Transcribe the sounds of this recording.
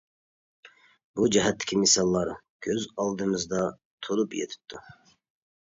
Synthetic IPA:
b̥ud͡ʒɛɦɛt̪ʰːɪ̥kʲʰimɪsɑlˠːɑɾ | kʲʰøzɑlˠd̪ɨmɨzd̪ɑ | t̪ʰolˠupjḛt̪ʰɪ̥p̚t̪ʰːu

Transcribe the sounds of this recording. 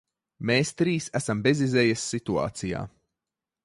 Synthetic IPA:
meːst̪ɾiːsæsambezizɛjasːit̪ua̰ːt̪sija̰ː

